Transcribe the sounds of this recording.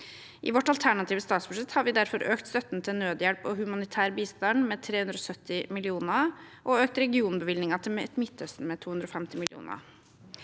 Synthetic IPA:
ʔɪ̰ʋɔʈɑlt̪ʰæɳɑt̪ʰiːʋəst̪ɑːt̪sbʉʂɛt̪hɑɾʋɪd̪æɾfɔɾʔøːkt̪st̪œt̪nt̪ʰɪlnøːd̪jɛlpɔhʉmɑnɪt̪ʰæːɾbiːst̪ɑnmeːt̪ʰɾeːhʉnd̪ɾɔːsœt̪ːɪmɪlɪuːnəʔɔøːk̚t̪ɾɛɡɪuːnbəʋɪlnɪŋɑt̪ʰɪlɛt̪mɪt̪ʰːœst̪n̩mɛt̪ʰuːʉnɾofɛmt̪ɪmɪlɪṵːnə̰

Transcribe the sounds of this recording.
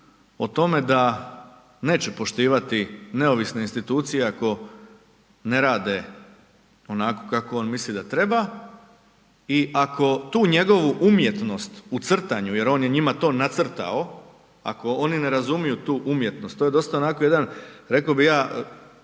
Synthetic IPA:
ot̪o̞me̞d̪a | ne̞ːt͡ɕe̞po̞ʃt̪iːʋat̪ine̞o̞ʋisne̞inst̪it̪uːt̪sije̞ako̞ | ne̞ɾaːd̪e̞ | o̞nako̞̥kakoo̞ːnmislid̪at̪ɾe̞ba | iʔako̞t̪uːɲe̞ɡo̞ʋuʔumje̞t̪no̞st̪ut̪sr̩t̪aɲuje̞ɾo̞njeɲimat̪o̞ːnat̪sr̩t̪a̰o̞ | a̰ko̞onine̞ɾazumijut̪uːʔumje̞t̪no̞st̪ːoje̞d̪o̞st̪aonako̞jed̪anɾe̞kobijaː

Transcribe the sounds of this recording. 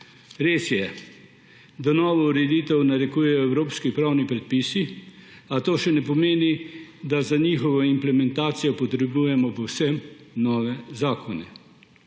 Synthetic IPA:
ɾeːsjɛ | d̪anɔːʋɔuɾɛd̪it̪ɛwnaɾɛkujɛjɔɛwɾoːpskipɾawnipɾɛt̪̚pisi | at̪oːʃɛnɛpɔmeːnid̪azanixɔʋɔimplɛmɛnt̪aːt̪sijɔpɔt̪ɾɛbujɛmɔpɔwsɛm | nɔːʋɛzaːkʰɔnɛ̰

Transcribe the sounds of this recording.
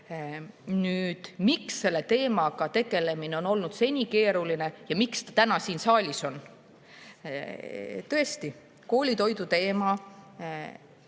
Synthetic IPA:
nyːd̪̥miksːe̞lːe̞t̪e̞ːmɑkɑt̪e̞ɡe̞le̞mineo̞no̞lnud̪se̞nʲike̞ːɾuline̞jɑmikst̪ɑ̥t̪ænɑsiːnsɑːlʲiso̞n | t̪ɤ̞e̞st̪i | ko̞ːlʲit̪o̞jd̪ut̪e̞ːmɑ

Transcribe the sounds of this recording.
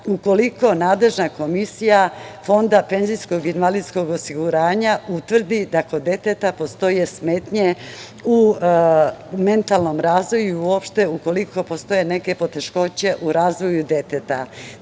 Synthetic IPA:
uko̞liko̞naːd̪le̞ʒnako̞misijafo̞nd̪ape̞nzijsko̞ɡinʋalisko̞ɡosiɡuɾaːɲaut̪ʋr̩d̪id̪ako̞d̪e̞t̪et̪apo̞st̪o̞je̞sme̞t̪ɲe̞ | u | me̞nt̪alˠno̞mɾaːzʋo̞juiiuo̞pʃt̪e̞uko̞liko̞po̞st̪o̞je̞ne̞ke̞po̞t̪e̞ʃko̞t͡ɕe̞ʔuɾaːzʋo̞jud̪e̞t̪et̪a̰

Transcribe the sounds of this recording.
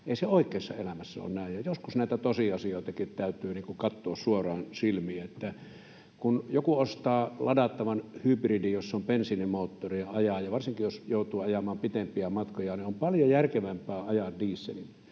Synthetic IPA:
eˑiseoˑikˑeːsːɑ̰ḛlæmæsːæo̰nnæˑejjɑjoskusnæˑit̪æt̪osiɑsioˑet̪ɑkit̪t̪æˑyt̪ˑyːniːŋkuŋkɑt̪ːoɑssuorˑɑːnsilmiæet̪ːæ | kunjokuost̪ɑːlɑdɑt̪ːɑʋɑnhybridijosːompensinemoːt̪ːoriɑɑjɑjɑʋɑrsiŋkijjosjoˑut̪ˑuːɑjɑmɑːmpit̪empiæmɑt̪kojɑniompɑljojærkeʋæmpæːɑjɑdiːsːeni

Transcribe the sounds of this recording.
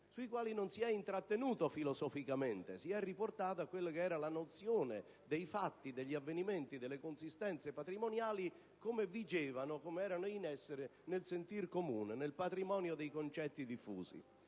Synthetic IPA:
suikwaːlinonsiɛint̪ɾat̪ːenuːt̪ofilosɔfikament̪ḛsiɛrːiport̪aːt̪̬ʊakːwelːakeɛːɾalanot̪sjoːne | d̪ejfat̪ːid̪eʎːiavːeniment̪id̪elːekonsist̪ɛnt̪sepat̪ɾimonjaːli | komevid͡ʒɛːvanʊkomeɛːɾanoinɛsːeɾɪnelsent̪irkomṵːnɪnelpat̪ɾimɔːnjod̪ejkont͡ʃɛt̪ːid̪ifːṵːzḭ

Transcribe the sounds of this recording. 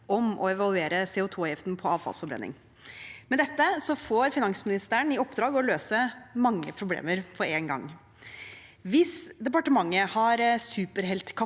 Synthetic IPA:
ʔɔmɔ̰ɛʋɑlˠʉeːɾəseːʊːt̪ʰuːjɪft̪n̩pʰɔɑːʋfɑ̰lsfɔbɾɛ̰nːɪ̰ŋ | mɛd̪ɛt̪ːəsɔfoːɾfɪnɑŋsmɪnɪst̪əɳɪɔpːd̪ɾɑːɡɔløːsəmɑŋːə̰pʰɾʊblḛːməɾpʰɔɾeːnɡɑ̰ŋ | ʋɪsd̪ɛpɑʈəmɑŋːəhɑɾsʉːpəɾɦɛlt̪kʰɑ

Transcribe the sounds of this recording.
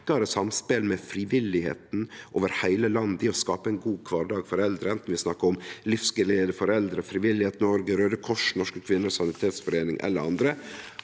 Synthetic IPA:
kɑɾəsɑmspeːlmɛfɾɪʋɪlɪhḛːt̪n̩ʔoːʋəɾhæɪləlɑnd̪ɪɔskɑːpəɛɪnɡuːkʰʋɑːɾɖɑːɡfɔɾɛld̪ɾəɛnt̪n̩ʋɪsnɑkːəɾʊmlɪfskɪled̪əfɔɾɛld̪ɾəfɾɪʋɪlːɪheːt̪nɔɾɡəɾøːd̪əkʰɔʂnɔʂkəkʰʋɪnːəsɑnɪt̪ʰeːt̪sfɔɾeːnɪ̰ŋʔɛ̰lːəɾɑnd̪ɾə

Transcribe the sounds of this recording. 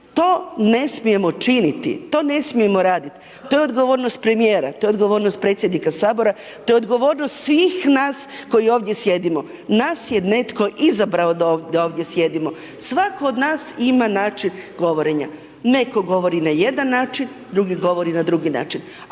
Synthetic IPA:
t̪o̞ːne̞smije̞mo̞t͡ʃinit̪ḭt̪o̞ːne̞smije̞mo̞ɾaːd̪it̪ | t̪o̞jeod̪ɡo̞ʋo̞ːɾnost̪̚pɾe̞mije̞ːɾat̪ojeod̪ɡo̞ʋo̞ːɾnost̪̚pɾe̞t̪sjed̪nikasaːbo̞ɾa | t̪o̞ːjeod̪ɡo̞ʋo̞ːɾnost̪sʋiːxnaːsko̞jio̞ːʋd̪je̞sje̞d̪imo̞ | naːsjene̞t̪ko̞ʔizabɾaod̪ad̪aoːʋd̪je̞sje̞d̪imo̞ | sʋakood̪naːsimanaːt͡ʃinɡo̞ʋo̞ɾe̞ɲa̰ | ne̞ko̞ɡo̞ʋo̞ɾinaje̞d̪anːaːt͡ʃin | d̪ɾuɡiɡo̞ʋo̞ɾinad̪ɾuɡina̰ːt͡ʃin

